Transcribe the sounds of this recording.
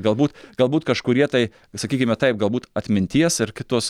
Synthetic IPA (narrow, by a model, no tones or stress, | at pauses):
ɡɐlˠbuːt̪ɡ̥ɐlˠbuːt̪kɐʃkʊɾʲiɛt̪ɐɪ | sɐkʲiːkʲɪmʲɛt̪ɐɪp̚ɡɐlˠbuːt̪ɐt̪ʲmʲɪnʲt̪ʲiɛsɪɾkʲɪt̪uːs